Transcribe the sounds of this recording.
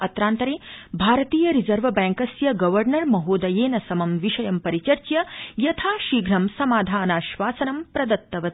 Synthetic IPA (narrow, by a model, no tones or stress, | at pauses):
ɐt̪ɾaːnt̪ɐɾeːbʱaːɾɐt̪iːjɐɾizɐɾʋɐbæ̃ːŋkɐsjɐɡɐʋɐɾnɐɾmɐɦoːd̪ɐjeːnɐsɐmɐmʋiʂɐjɐmpɐɾit͡ʃɐɾt͡ʃjɐjɐt̪ʰaːʃiːɡɾɐmsɐmaːd̪ʱaːnaːʃʋaːsɐnɐmpɾɐd̪ɐt̪ːɐʋɐ